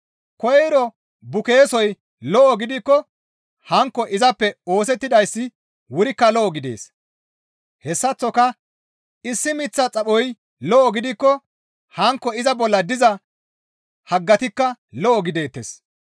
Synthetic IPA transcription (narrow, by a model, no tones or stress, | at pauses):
kɔjɾɔ | bʊke̞ːsɔj | lɔʔɔɡɪd̪ɪkːɔ | hɐŋkːɔʔɪzɐpːɛo̞ːs̬ɛt̪ːɪd̪ɐjsːɪ | wʊɾɪkːɐlɔʔɔɡɪd̪e̞̰ːs | hɛsːɐt͡sːɔkɐ | ɪsːɪmɪt͡sːɐt͡sʼɐɓɔj | lɔʔɔɡɪd̪ɪkːɔ | hɐŋkːɔɪzɐbɔlːɐd̪ɪzɐ | hɐɡːɐt̪ɪkːɐlɔʔɔɡɪd̪e̞ːt̪ːḛs